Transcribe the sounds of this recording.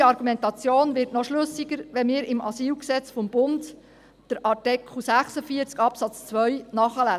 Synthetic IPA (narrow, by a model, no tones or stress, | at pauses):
ɑɾɡumɛntɑt͡sjoːnʋɪɾtnɔʃlɵsiɡəɾʋɛmɪːɾɪmʔɑ̰siːlksɛt͡sfɔmb̥ʊnd | d̥əɾɑtɛkl̩sæχsəfiəɾt͡skɑpsɑt͡st͡sʋœɥnɑːχəlæ